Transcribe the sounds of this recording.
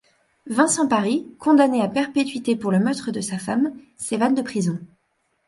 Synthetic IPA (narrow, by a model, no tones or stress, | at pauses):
vɛ̃sɑ̃paʁikʰɔ̃d̪aneapɛʁpet̪ɥit̪epuʁləmœʁt̪χəd̪əsafam | sevand̪əpχizɔ̃